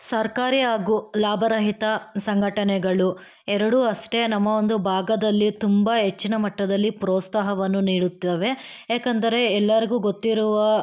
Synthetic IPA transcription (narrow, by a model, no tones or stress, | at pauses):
sɐɾkaːɾiaːɡulaːbʱɐɾɐɦit̪ɐsɐŋɡʱɐʈɐnɛɡɐɭu | ɛɾɐɽuɐsʈe̞nɐmːɐond̪ubʱaːɡɐd̪ɐlːit̪umbɐɦe̞t͡ʃːinɐmɐʈːɐd̪ɐlːipɾɔːt̪saːɦɐʋɐnːuniːɽut̪ːeːʋe̞ | eːkɐnd̪ɐɾe̞ɛlːɐɾiɡuːɡot̪ːiɾuʋɐ